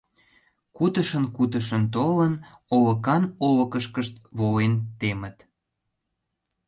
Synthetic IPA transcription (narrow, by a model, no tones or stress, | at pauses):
kut̪əʃənkut̪̬əʃənt̪olənoβə̆kɑnoβəkəʃkəʃt̪βolent̪emət̪